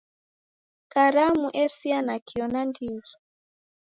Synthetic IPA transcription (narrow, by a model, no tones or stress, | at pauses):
kaɾamuʔɛsianakiɔnandizɔ